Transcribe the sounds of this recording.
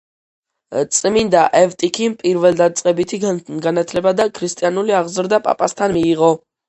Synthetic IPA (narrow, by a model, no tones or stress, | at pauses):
t̪sʼmind̪aʔɛvt̪ʼikʰimpʼiɾvɛld̪at̪sʼqʼɛbit̪ʰiɡanat̪ʰlɛbad̪akʰɾist̪ʼianuliaʁzɾd̪apʼa̰pʼast̪ʰanmiːʁɔ